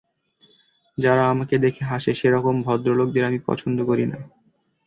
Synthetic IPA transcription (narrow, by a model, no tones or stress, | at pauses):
d͡ʑaɾaamaked̪ekʰeɦaʃeʃeɾɔkombʱɔd̪ɾolok̚d̪eɾamipɔ̰t͡ɕʰond̪okoɾina̰